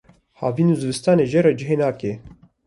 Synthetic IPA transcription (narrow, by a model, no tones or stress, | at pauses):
haːviːnuzɨvɨst̪ɑːneːʒɛɾɛd͡ʒɪɦeːnaːkeː